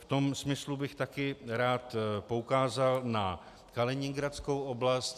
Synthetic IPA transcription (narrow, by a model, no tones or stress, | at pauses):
ft̪o̞msmɪslubɪxt̪akɪɾaːt̪po̞ukaːzalna | kalɛɲɪŋɡɾat͡skowo̞blast̪